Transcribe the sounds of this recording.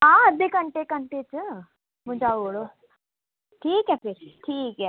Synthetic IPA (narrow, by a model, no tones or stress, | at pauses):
aːəd̪ikɐɳʈekəɳʈet͡sɨ | mud͡ʒaoɭo | ʈʰiːkɛfiɾʈʰiːkɛ